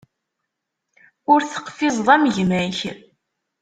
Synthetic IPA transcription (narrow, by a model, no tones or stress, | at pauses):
ʊɾθə̥qfɪzˤðˤæmʝmæç